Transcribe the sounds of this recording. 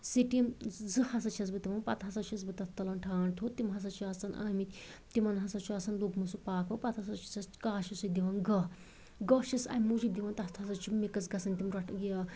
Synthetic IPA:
siʈimzɨhɐsɐt͡ʃʰɐs̬bɨt̪iʋɐnpɐt̪ɦɐsɐt͡ʃʰisbɨt̪ɐt̪ʰt̪ɐlɐnʈʰaːɳt̪ʰot̪imɦɐsɐt͡ʃʰuɐsɐnʔa̰ːmit̪ʲt̪imɐnɦɐsɐt͡ʃʰuɐsɐnlukmɨsupaːkʋɐpɐt̪hɐsɐt͡ʃʰi̥t͡sɐskaːʃisɨkd̪iʋɐnɡɐ | ɡɐʃisɐ̰mːud͡ʒik̚d̪iʋɐnt̪ɐt̪ʰɐsɐt͡ʃʰumikɐt͡sɡɐsɐnt̪imɾɐʈʰɡia

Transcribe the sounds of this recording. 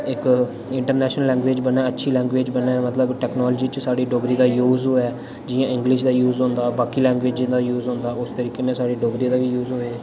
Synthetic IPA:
ɪk | ɪɳʈəɾnɛːʃnəlːɛ̃ːŋɡʋeːd͡ʒbənɛ̃ːətːʃʰiːlɛ̃ːŋɡʋeːd͡ʒbənɛːmət̪ləbʈɛːknɔːlːd͡ʒiːt͡ʃsaːɽiːɖoːɡɾiːd̪aːjuːzɦoːɛː | d͡ʒɪjãːɪ̃ŋɡlɪʃd̪aːjuːzɦõːnd̪aːbaːkiːlɛ̃ːŋɡʋeːd͡ʒd͡ʒd̪aːjuːzɦõːnd̪aːʊst̪əɾiːkeːmẽsaːɖiːɖoːɡɾiːd̪aːʋiːjuːzɦoiː

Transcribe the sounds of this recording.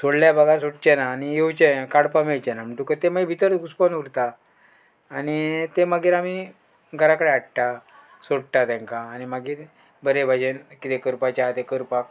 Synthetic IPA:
soɽljabəɡʱasoɽt͡ɕɛnaːnijewt͡ɕẽkaɽpameɭt͡ɕɛnam̤əɳʈukət̪emaɡbʱit̪əɾɡuspənuɾt̪aː | ñit̪emaɡiːɾami | ɡʱəɾakəɽeaʈʈa | soɽʈ̪at̪ɛ̃ŋkaːñimaɡiːɾ | bəɾebʱad͡ʑenkit̪ekəɾpat͡ɕat̪ekəɾpak

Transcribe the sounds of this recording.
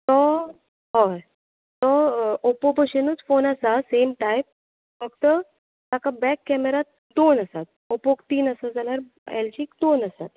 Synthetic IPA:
t̪ɔ | ɦɔ | t̪ɔopopəɕenuːt͡sfonəsasemʈajp̚ | fəkt̪ə | t̪akabɛkːɛmeɾa | d̪onəsat̪̚opokt̪iːnəsad͡zaljaɾ | ɛ̰lt͡ɕikd̪onəsat̪̚

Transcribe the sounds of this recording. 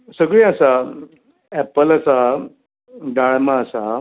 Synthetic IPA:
səɡɭẽasa | ɛpəlasa | ɖaɭmaːsa

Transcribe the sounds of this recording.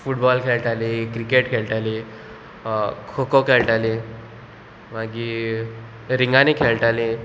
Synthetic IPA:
fuʈbɔlkʰeɭʈ̪alikɾikeʈkʰeɭʈali | kʰokokʰeɭʈali | maɡi | ɾiŋɡãnikʰeɭʈali

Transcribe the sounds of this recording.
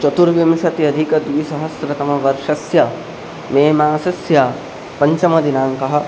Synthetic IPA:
t͡ʃɐt̪uɾʋimʃɐt̪iɐd̪ʱikɐd̪ʋisɐɦɐsɾɐt̪ɐmɐʋɐɾʃɐsjɐ | meːmaːsɐsja | pɐɲt͡ʃɐmɐd̪inaːŋkɐɦɐ̆

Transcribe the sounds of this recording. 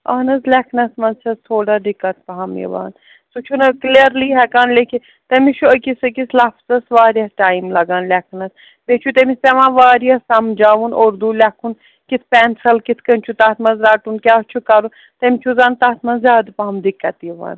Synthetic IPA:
ɐ̰ːnɐzlɛkʰnɐsmɐnt͡ʃʰɐzt̪ʰoːɽad̪ɪkːɐt̪̚pɐɦɐmjḭʋa̰ːn | sut͡ʃʰunɐkliəɾliɦɛkaːnlekʰi | t̪emiʃʰuəkisɐkislafzɐsʋaːɾjɐsʈaːjmlɐɡaːnlʲɛkʰnɐs | bet͡ʃʰut̪emist̪ɛʋãːnʋaːɾjɐsɐmd͡ʒaːʋunoːɾd̪ulʲɛkʰun | kit̪ʰpɛnsɐlkit̪ʰkənt͡ʃʰut̪aːt̪ʰmɐnzɾaːʈunkʲaːt͡ʃʰukɐɾu | t̪ɐmʲt͡ʃʰuzãːnt̪aːt̪ʰmɐnzjaːd̪pɐɦɐmd̪ɪkːɐt̪jiʋa̰ːn

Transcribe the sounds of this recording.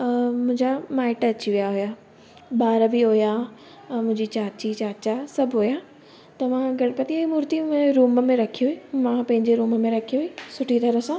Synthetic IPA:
mʊ̃ɦɪ̃ɲd͡ʑamaːɪʈɐt͡ɕiʋijaɦʊja | ɓaːɾəbɪɦʊja | mʊ̃ɦɪ̃ɲd͡ʑit͡ɕaːt͡ɕit͡ɕaːt͡ɕasɐbʱɦʊja | t̪ɐʋ̤ãɡɐɽ̃ɪpɐt̪iaimʊːɾt̪imʊ̃eɾuːməmẽɾɐkʰijuɦimãpɐ̃ɦɪɲd͡ʑeɾuːməmẽɾɐkʰijuisʊʈʰit̪ɐɾəsã

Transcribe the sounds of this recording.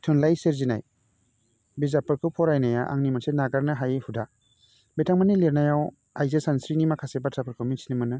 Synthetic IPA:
tʰɯnlajseɾzina̰j | bezapʰɯɾkʰɯwpʰɔɾajnajaʔa̰ŋnimasenaɡaɾnɯɦajhuda | betʰaŋmanileɾnajaw | ajzesansɾinimakʰasebatapʰɯɾkʰɯmisinimanɯ

